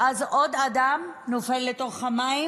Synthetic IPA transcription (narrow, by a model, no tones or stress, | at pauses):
ʔazod̪ad̪amnofelːeto̞χhamai